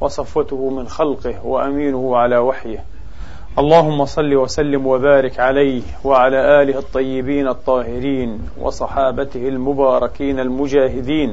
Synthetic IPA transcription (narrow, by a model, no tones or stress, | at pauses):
wɑsˤɑfːat̪ʊhʊmɪnxalqɪhwaʔamiːnʊhʊʕalaːwaħjɪh | ʔɑlˤːɑːɦʊmːɑsˤɑlːiːwasalːɪmwabaːɾɪkʕalajhwaʕalaːʔaːlɪhɑt̪ˤːɑjːɪbiːnɑt̪ˤːɑːhɪɾiːn | wʔɑ̰sˤɑħɑːbat̪ɪhalmʊbɑːɾˤɑkiːnalmʊd͡ʒaːɦɪd̪iːn